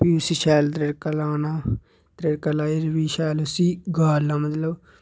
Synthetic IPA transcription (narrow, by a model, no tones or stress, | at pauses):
pisiːʃɛːlt̪ɾeʈkəlaːnãː | t̪ɾeʈkəlaːiɾʋiːʃɛːlʊsiːɡaːlãːmət̪ləb